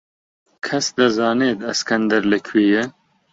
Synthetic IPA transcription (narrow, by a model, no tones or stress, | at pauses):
kʰɐsd̪ɨzɑːneːd̪ɐskʰɐnd̪ɐɾlɨkʰwiːjɪ